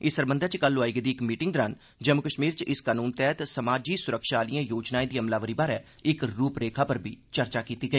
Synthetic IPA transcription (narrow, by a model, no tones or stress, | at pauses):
ɪsəɾbənd̪əɾt͡ʃkəloaːiɡd̪iːɪkmiːʈɪŋɡ̚d̪əɾan | d͡ʒəmʊkəʃmiːɾt͡ʃɪskaːnuːnt̪ɛːt̪səmaːd͡ʒiːsʊɾəkʃaːliãːjoːd͡ʒnaːẽd̪iːəmlaːʋəɾiːbaːɾɛː | ɪkɾuːpɾeːkʰaːpəɾbʱiːt͡ʃəɾt͡ʃaːkiːt̪iːɡəiː